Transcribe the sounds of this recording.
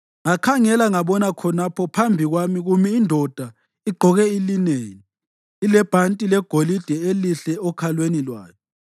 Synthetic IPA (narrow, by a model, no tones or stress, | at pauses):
ŋakʰaŋɛlaŋaɓɔnakʰɔnapʰɔpʰambʱiɣwamiɣumiːndʱɔd̥ʱa | iɡ͡ǃʱɔɣɛilineːniː | lɛb̥ʱantʼilɛɡ̥ʱolid̥ʱɛeliɬɛɔkʰalwenilwa̰ːkʰɛ